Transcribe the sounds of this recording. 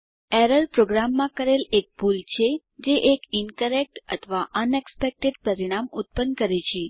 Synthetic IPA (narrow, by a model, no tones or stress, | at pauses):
ɛɾəlpɾoɡɾamːãkəɾelek̚pult͡ʃʰe | d͡ʒeʔekinkəɾek̚ʈə̰t̪ʰəʋaʔənekspek̚ʈeɖpəɾiɽ̃amut̪̚pənkəɾet͡ʃʰe